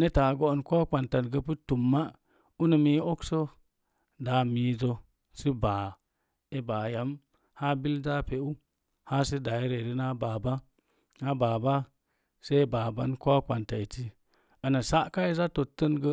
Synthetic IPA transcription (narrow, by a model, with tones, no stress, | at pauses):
ne˦ta˨ɡo˦˨nko˦k͡pa˨nta˨nɡə˦pɨ˦tu˨mːa˦ | u˦nə˨mi˦o˦kso˦ | da˨miː˨zo˦ | si˦baː˨ | e˦ba˨ja˨˦m | ha˦bi˦lda˦pe˨u˦ | ha˦si˦da˨i˦ɾe˨ɾi˦na˦baː˨ba˦ | na˦baː˨ba˦ | se˦ba˨ba˦nko˦k͡pa˨nta˨i˨ti˦ | a˨na˨sa˦ʔka˦i˦za˦to˨tːə˦nɡə˦